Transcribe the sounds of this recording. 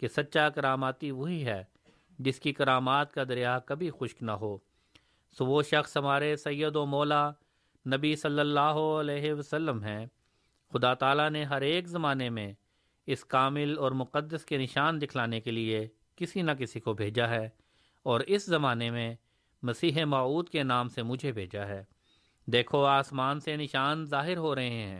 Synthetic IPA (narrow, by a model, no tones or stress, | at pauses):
kesɐt̪ːʃakɐɾaːmaːt̪iʋoɦiɦɛː | d͡ʒɪskikɐɾaːmaːt̪kad̪ɐɾijaːkɐbʱixʊʃknaɦoː | soʋoʃɐxsɦɐmaːɾesɐjːəd̪omɔːla | nɐbisɐlːəlːaːɦoɐlɛːɦeʋɐsəlːəmɦɛ̃ː | xʊd̪at̪aːlaneɦɐɾeːkzɐmaːnemẽ | ɪskaːmɪlɔːɾmʊqəd̪ːəskenɪʃaːnd̪ɪkʰlaːnekelie | kɪsinakɪsikobʱeːd͡ʒaɦɛː | ɔːɾɪszɐmaːnemẽ | mɐsiːɦemaːuːd̪kenaːmsemʊd͡ʒʱebʱeːd͡ʒaɦɛː | d̪eːkʰoaːsmaːnsenɪʃaːnzaːɦɪɾɦoɾɐɦẽɦɛ̰̃ː